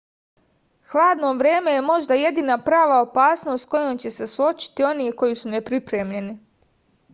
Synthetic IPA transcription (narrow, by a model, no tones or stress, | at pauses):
xlˠaːd̪no̞ʋɾe̞ːme̞je̞mo̞ʒd̪aje̞d̪inapɾaːʋao̞paːsno̞st̪ko̞jomt͡ɕe̞se̞suo̞t͡ʃi̥t̪io̞niko̞jisune̞pɾipɾemʎe̞ni